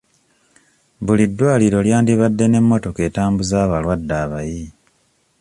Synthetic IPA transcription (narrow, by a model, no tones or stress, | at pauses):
βulidːwaːliɾo̞ljaːndiβadːe̞ne̞mːo̞to̞ke̞ːtaːmbuzaːβalwadːaːβaji